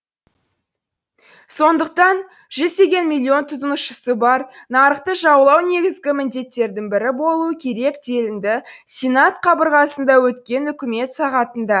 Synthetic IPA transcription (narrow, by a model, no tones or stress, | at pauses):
so̞nd̪əq̚t̪ɑn | ʒ̥ʏzt̪e̞ɡʲe̞nmʲilʲˠːio̞nt̪ʰʊt̪ənəʃəsəbɑɾnɑɾəqt̪əʒɑwəlˠɑwne̞ɡʲɪzɡʲɪmɪnd̪e̞t̪ːe̞ɾd̪ɪŋbɪɾɪbo̞lˠuəkʲʰe̞ɾe̞k̚d̪e̞lɪnd̪ɪsʲenat̪qʰɑbəɾʁɑsənd̪ɑwɵt̪kʲe̞nʏkʲɪme̞t̪sɑʁɑt̪ənd̪ɑ